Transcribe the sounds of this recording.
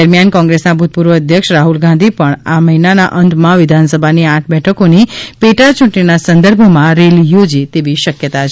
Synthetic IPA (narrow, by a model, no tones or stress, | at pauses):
əɾmijankɔ̃ŋɡɾesnabʱut̪̚puɾʋəːd̪ʱjəkʃɾaɦulɡʱãnd̪ʱipəɳaməɦinana̰ʔənd̪mãʋɪd̪ʱansəbʱaniãʈʰbɛʈʰəkonipeʈat͡ʃʊ̃ʈninasə̃nd̪əɾbʱmãɾelijod͡ʒit̪eʋiʃəkjət̪at͡ʃʰ